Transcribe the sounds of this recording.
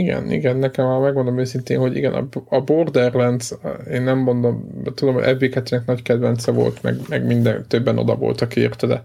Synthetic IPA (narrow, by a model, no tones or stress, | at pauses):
iɡɛ̰nḭɡɛnːɛkɛmɒmɛɡmo̞nd̪olomøːsint̪ḛːnɦo̞ɟḭɡɛnʔɒ̰bɒbord̪ɛrlɛnd̪zeːnːɛmːo̞nd̪omt̪ud̪o̞mho̰ɟɛ̰veːkɛt̪ːyːnɛknɒckɛd̪vɛnt̪sɛvo̞̰lt̪mɛ̰ɡmɛɡmind̪ɛnt̪øbːɛno̞̰d̪ɒ̰vo̰lt̪ɒkiḛːrt̪ɛd̪ɛ̰